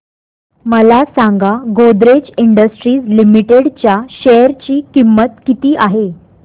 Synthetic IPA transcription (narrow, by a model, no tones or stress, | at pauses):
məlasãŋɡaɡod̪ɾed͡ʑiɳɖəsʈɾiːslimiʈeɽt͡ɕjaɕeəɾt͡ɕiːkimːət̪kit̪iːʔaɦe